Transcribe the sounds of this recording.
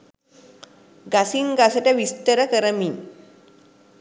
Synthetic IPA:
ɡasiŋɡasəʈaʋist̪əɾəkəɾəmi

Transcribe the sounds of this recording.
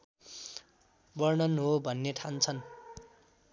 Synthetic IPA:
bʌrnʌnɦobʱʌnːeʈʰant͡sʰʌn

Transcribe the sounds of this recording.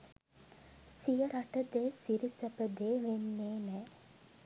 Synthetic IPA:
sijəɾaʈəd̪eːsiɾisəpəd̪eːʋenːeːnɛː

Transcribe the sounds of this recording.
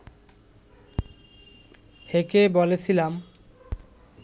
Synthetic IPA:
hekebolet͡ɕʰilam

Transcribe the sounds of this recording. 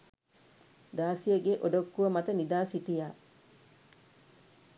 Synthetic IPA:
d̪aːsijəɡeʔoɖokːuʋəmat̪ənid̪aːsiʈijaː

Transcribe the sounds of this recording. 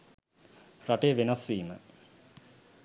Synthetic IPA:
raʈeʋenasʋiːmə̰

